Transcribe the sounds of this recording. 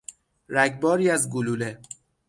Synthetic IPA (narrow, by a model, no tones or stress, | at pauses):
ɾæɡbɒːɾiːæzɡuluːle